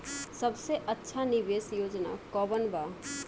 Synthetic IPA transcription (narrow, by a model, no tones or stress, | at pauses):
sɐbseʔɐtːʃʰanɪʋeːsjoːd͡ʒna̰kɔːbənbaː